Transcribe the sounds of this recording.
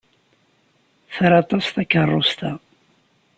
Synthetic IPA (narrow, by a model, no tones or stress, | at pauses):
θɾɑt̪ˤɑst̪ækːərˤːost̪a